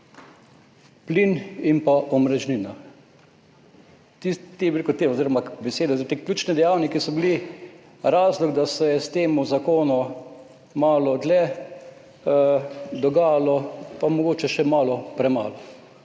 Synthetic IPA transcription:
plinimpaʔɔmɾɛʒnina | t̪it̪ːebiɾekʊt̪eːoziːɾɔmabɛseːd̪ɛit̪eklʲjuːt͡ʃnɛd̪ɛjawnikisɔbili | ɾaːzlɔɡd̪asɛjɛst̪eːmuzakoːnɔ | maːlɔd̪lɛ | d̪ɔɡaːjalɔpamɔɡoːt͡ʃɛʃɛmaːlɔpɾɛma̰ːlɔ

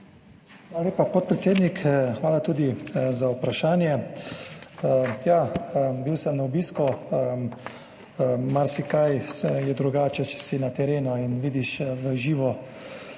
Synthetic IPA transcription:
xaːlaleːpapot̪̚pɾɛt̪seːd̪nikxʋaːlat̪uːd̪izaupɾaʃaːnjɛ | jaːbiwsəmnaɔbiːskuə | maɾsikajjɛd̪ɾuɡaːt͡ʃɛt͡ʃɛ̥sinat̪ɛɾeːnɔinʋiːd̪iʃʋəʒiːʋɔ

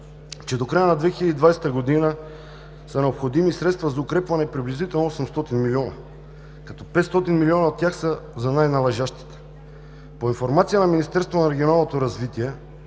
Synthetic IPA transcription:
t͡ʃɛd̪okɾajənɐd̪vɛxiləd̪id̪vajsɛ̥t̪əɡod̪inə | sɐnɛopxod̪imisɾɛt̪st̪vɐzɐʊkɾɛpvɐnɛpɾiblizit̪ɛlˠnosɛmst̪ɔt̪inmilʲiɔnɐ | kɐt̪ɔpɛt̪st̪ɔt̪inmiliɔnɐot̪ːʲjaxsəzɐnajnɐlˠɐʒaʃt̪i̥t̪ɛ̥ | poinfoɾmat̪sijənɐminist̪ɛɾst̪voonɐɾɛɡʲionalˠnot̪oɾɐzvit̪iɛ

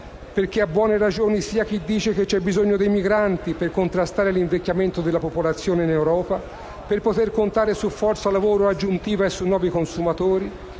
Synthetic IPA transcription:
perkeabːwɔːneɾad͡ʒoːnisiːak̟id̪ːiːt͡ʃek̟et͡ʃːɛbːizoɲːod̪ejmiɡɾant̪iperkont̪ɾast̪aːɾeliɱvekːjament̪od̪elːapopolat̪sːjoːneinewɾɔːpa | perpot̪erkont̪aːɾesufːɔrt̪salavoːɾoad͡ʒːunt̪iːvaesːunːɔːvikonsumat̪oːɾi

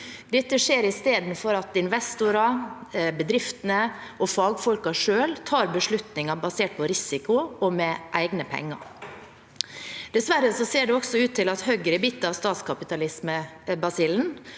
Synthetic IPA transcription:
d̪ɛt̪ːəʂeːɾɪst̪eːd̪n̩fɔɾɑt̪ɪnʋɛst̪ʊɾɑbəd̪ɾɪft̪ənəʔɔfɑːɡfɔlkɑʂøːlt̪ʰɑːɾbəʂɭʉt̪nɪŋɑbɑseːʈ̚pʰɔɾɪsɪkʊɔmɛʔæɪɡnəpʰɛ̰ŋːɑ̰ | d̪̥ɛsʋæɾːəsɔseːɖɛɔɡsɔʉːt̪ʰːɪlɑt̪hœɡɾɪbit̪ːəɑʋst̪ɑːt̪skʰɑpɪt̪ɑlɪsməbɑsiln̩

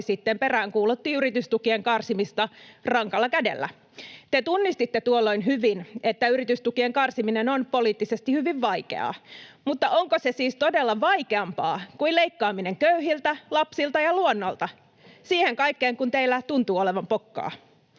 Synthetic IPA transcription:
sit̪ːemperæːŋkuːlut̪ːiːyɾit̪yst̪ukieŋkɑrsimist̪ɑrɑŋkɑlːɑkædḛlːæ̰ | t̪et̪unːist̪it̪ːet̪uolːo̞inɦyʋinʔet̪ːæyrit̪yst̪ukieŋkɑrsiminenonpoliːt̪ːisest̪ihyʋiʋʋɑike̞̰ɑ̰ːmut̪ːɑʔoŋkosesiːst̪odelːɑʋɑikeɑmpɑːkuileikːɑːmine̞ŋkøyɦilt̪ælɑpsilt̪ɑjɑluonːolt̪ɑ | siːheŋkɑikːeːŋkunt̪eilːæt̪unt̪uːoleʋɑmpo̞kːɑ̰ː

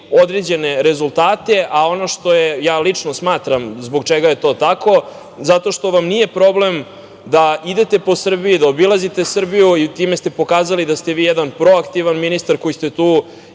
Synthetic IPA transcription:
o̞d̪ɾed͡ʑe̞neɾezulˠt̪aːt̪e̞ʔao̞no̞ʂt̪o̞jejaːlit͡ʂnosmaːt̪ɾamzboɡt͡ʃeɡajet̪o̞ːt̪ako̞ | zat̪o̞ʃt̪o̞ʋamnije̞pɾo̞blem | d̪aid̪e̞t̪e̞po̞sr̩bijid̪aobilazit̪esr̩bijuit̪iːmest̪e̞po̞kaːzalid̪ast̪eʋiːjɛd̪anpɾo̞akt̪iʋanminist̪aɾko̞jist̪et̪uː

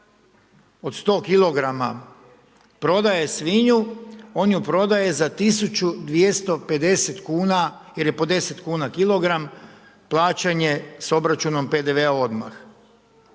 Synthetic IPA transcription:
ot̪st̪o̞ːkilˠo̞ɡɾama | pɾo̞d̪aje̞sʋiɲuo̞ːnjupɾo̞d̪aje̞zat̪isut͡ɕud̪ʋje̞st̪o̞pe̞d̪e̞se̞t̪kuːnaje̞ɾje̞po̞d̪e̞se̞t̪kuːnakilˠo̞ɡɾam | plˠaːt͡ɕeɲe̞so̞bɾat͡ʃuno̞mpe̞d̪eʋeao̞d̪ma̰x

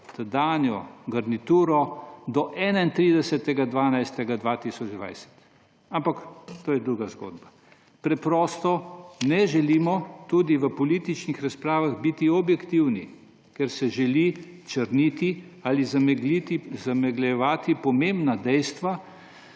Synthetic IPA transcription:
t̪ad̪aːnjɔɡɐɾnit̪uːɾɔd̪ɔʔɛːnaint̪ɾiːd̪ɛsɛt̪ɛɡad̪ʋaːnajst̪ɛɡad̪ʋaːt̪isɔd͡ʒd̪ʋa̰jsɛ̥t̪ | ampakt̪oːjɛd̪ɾuɡazɡo̰ːd̪ba | pɾɛpɾɔst̪ɔnɛʒɛliːmɔt̪ud̪iʋəpɔlit̪it͡ʃnixɾaspɾaːʋaɣbit̪iɔbjɛkt̪iwni | kɛɾsɛʒɛli | t͡ʃəɾnit̪i | alizit̪izamɛɡlɛʋaːt̪ipɔmembnad̪ɛjst̪ʋa

